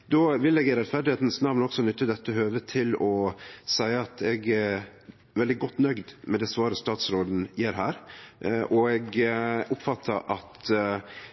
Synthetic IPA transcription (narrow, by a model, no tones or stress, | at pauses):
d̪oːʋɪlːɛːɡɾɛt̪fæɾɖɪheːt̪n̩snɑʋnɔɡsɔnʏt̪ːəd̪ɛt̪ːəɦøːʋət̪ʰɪlɔsæɪəɑt̪ʰɛɡɛ | ʋɛld̪ɪɡɔt̪ːnœɡd̪mɛd̪ɛsʋɑːɾəst̪ɑːt̪sɾoːd̪n̩jeːɾɦæːɾʔɔɛɡʊpfɑt̪ʰːəʔɑt̪